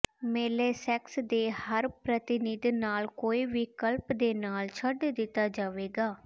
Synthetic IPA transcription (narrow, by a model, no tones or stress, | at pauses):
meːleːsɛksd̪eːhəɾpɾət̪ɪnɪd̪naːlkoːiːʋɪkəlpd̪eːnaːlt͡ʃʰəɖd̪ɪt̪ːaːd͡ʒaːʋeːɡaː